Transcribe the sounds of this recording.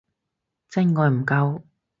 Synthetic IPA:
t͡sɛ˥ŋŋɔː˨˧jm̩˨˩kɐ˧w

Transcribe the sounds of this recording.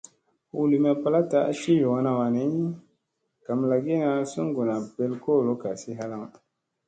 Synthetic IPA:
wu˨li˨m˦a˨pa˨la˦ta˨˦a̰˦ʃi˦jo˨ŋ˦na˨wa˨ni˨˦ | ka˨mla˨ɡi˦na˨su˦ŋ˦ɡu˨na˨pe˨lko˦˨lo˦ka˨si˦ɦa˦la˦ŋ

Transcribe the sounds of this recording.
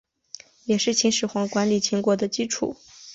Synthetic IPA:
jɛ˨˩ʂɻ̩˥˩t͡ɕʰi˧˥ŋʂɻ̩˨˩xwɑ˧˥ŋkwa˧˥nli˨˩t͡ɕʰi˧˥ŋkwɔ˨˩d̪ə˨t͡ɕi˥ʈ͡ʂʰṵ˨˩˦

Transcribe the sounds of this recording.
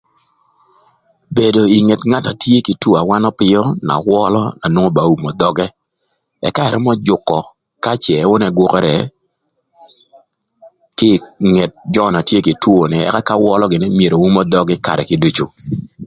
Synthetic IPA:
be˨do˨i˨ŋe˨tŋa˦ta˨tje˦kɪ˨two˦a˨wa˦nɔ˦pɪ˦jɔ˦na̰˨wɔ˦lɔ˦na˨nwo˦ŋo˦ba˨u˦mɔ˨d̪ɔ˦ɡɛ˦ | ɛ˨ka˦ɛ˨ɾɛ˦mɔ˦d͡ʒʊ˨kːɔ˨ | ka˦t͡ʃɛ˨˦wʊ˦nɛ˦ɡwɔ˦kɛ˦ɾɛ̰˨ | kɪ˦˨ŋe˨t̚d͡ʒɔ˦˨na˨tje˦kɪ˨two˨nɪ˨ɛ̰˦ka˦ka˦wɔ˦lɔ˦ɡɪ˨nɪ˦mje˨ɾo˨wu˦mɔ˦d̪ɔ˦ɡɛ˦ka̰˨ɾɛ˨kɪ˦du˦t͡ʃo˨

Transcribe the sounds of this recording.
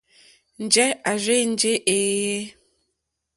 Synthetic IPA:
n̩˨d͡ʒɛ˦a˨ɾe˦n̩˦d͡ʒe˦ʔeː˨e˦

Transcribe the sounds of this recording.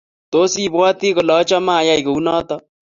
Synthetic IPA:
t̪o˦si˦bwwa˦t̪i˦ko˨lɔ˨˦t͡ʃɔ˦maː˦˨ja˦i˨ko˨u˦nɔ˦t̪ɔ˦

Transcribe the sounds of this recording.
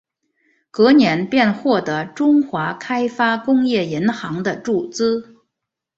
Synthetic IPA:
kɤ˧˥njɛ˧˥npjɛ˥˧nxwɔ˥˩t̪ɤ˧˥ʈ͡ʂʊ˥ŋxwa˧˥kʰa˥ɪfa˥kʊ˥ŋjɛ˥˩i˧˥nxɑ˧˥ŋd̪ə˧ʈ͡ʂu˥˩t͡sɹ̩˥

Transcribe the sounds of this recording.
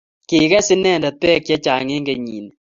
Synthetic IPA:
ki˨kɛ˦sɪ˦nɛ˦˨nda˨pɛ˦kja˦t͡ʃa˨ŋe˦ŋɡe˨ɲḭ˨n

